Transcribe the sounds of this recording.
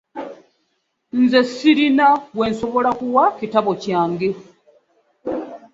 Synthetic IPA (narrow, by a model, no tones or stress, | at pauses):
nzesiɾinaβwe̞ːnso̞βo̞lakuwacitaβo̞cjaːŋɡe̞